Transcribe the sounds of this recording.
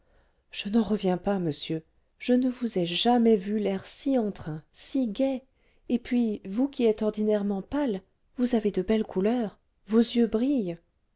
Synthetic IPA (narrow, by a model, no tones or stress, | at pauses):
ʒ̥ənɑ̃ʁəvjɛ̃paməsjø | ʒ̥ənəvuzɛʒamɛvylɛʁsiɑ̃t̪χɛ̃siɡʲɛ | epɥivukʲiɛt̪ɔʁd̪inɛʁmɑ̃pal | vuzaved̪əbɛlkulœʁ | vozjøbʁij